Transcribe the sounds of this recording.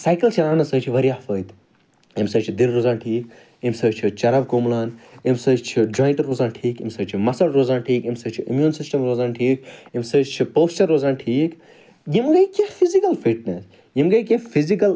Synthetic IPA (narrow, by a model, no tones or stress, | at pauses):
sajkɐlt͡ʃʰiɾaːnɐsəːt͡ʃʰiʋɐɾʲjaːfəːjt̪ | imsəːt͡ʃʰid̪ilɾoːzaːnʈʰiːk | jimsəːt͡ʃʰit͡ʃɐɾab̚koːmlaːnimsəːt͡ʃt͡ʃʰid͡ʒɔːĩɳʈɾoːzaːnʈʰiːkimsəːt͡ʃʰimɐsɐɽɾoːzaːnʈʰiːkimsəːt͡ʃʰiʔimjuːnsisʈɐmɾoːzaːnʈʰiːkjimsəːt͡ʃt͡ʃʰipoːst͡ʃɐɾːoːzaːnʈʰiːk | jimɡɐjkefizikɐlfiʈ̚nes | jimɡɐkẽfizikɐl